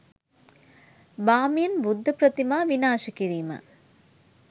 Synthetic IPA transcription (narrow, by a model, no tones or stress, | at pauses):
baːmjɐnbud̪ʱːɐpɾɐt̪imaːʋinaːʂɐkiɾiːmɐ̰